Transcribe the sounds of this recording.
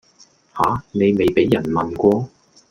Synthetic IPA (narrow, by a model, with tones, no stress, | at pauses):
haː˨˥˦ne˨˧jme˨˧jpe˨˥jɐ˨˩nmɐ˨nkʷɔː˧